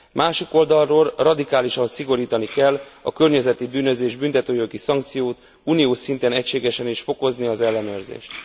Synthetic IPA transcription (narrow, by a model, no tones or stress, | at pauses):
mʔaːʃiko̞ld̪ɒlroːlrɒd̪ikaːliʃɒnsiɡo̞ɾiːt̪ɒnikɛlːɒ̰kø̞rɲɛzɛt̪ibyːnø̞zeːʒbynt̪ɛt̪øːjo̞ɡisɒŋkt̪sijoːt̪ | uːnijoːʃsint̪ɛnɛcʃeːɡɛʃɛniʃfo̞ko̞zniɒzɛlːɛnøːrzḛːʃt̪